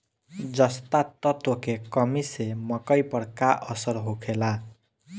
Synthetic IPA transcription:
d͡zʌst̪at̪ʌt̪okekʌmisemʌkʌjpʌɽkaʔʌsʌɾɦokʰela

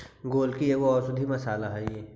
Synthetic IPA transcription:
ɡoːlkieʋoɔːɾsʊd̪ʱimɐsaːlaɦɛeː

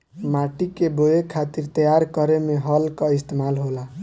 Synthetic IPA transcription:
maʈikebojekʰat̪iɾt̪əjaɾkəɾemeɦʌlkɔist̪emalɦola

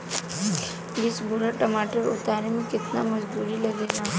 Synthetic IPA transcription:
bɪsbʊɾaʈɐmaːʈəɾʊt̪aːɾemẽkɪt̪namɐd͡ʒd̪uːɾilɐɡeːna

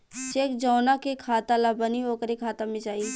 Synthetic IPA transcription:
t͡ʃekd͡ʒɔːnakekʰaːt̪alabənioːkəɾikʰaːt̪amẽd͡ʒaːi

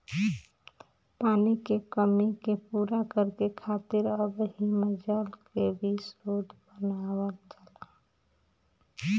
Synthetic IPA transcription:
paːnikekəmikepuːɾakəɾkekʰat̪ɪɾəbɦiməd͡ʒəlkebʱisɾod̪ʱbənawəlt͡ʃəla

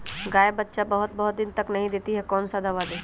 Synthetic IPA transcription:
ɡaːebətːʃabɐɦʊt̪̚bɐɦʊt̪̚d̪ɪnt̪ɐknɐɦĩd̪eːt̪iɦɛkɔːnsad̪ɐʋaːd̪eː

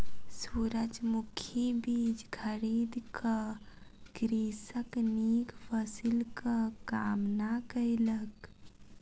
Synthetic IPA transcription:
suɾəd͡ʒmukʰjibid͡ʒkʰəɾid̪kə | ɡ̥ɾisəknikpʰəsilkəkamnakəjlək

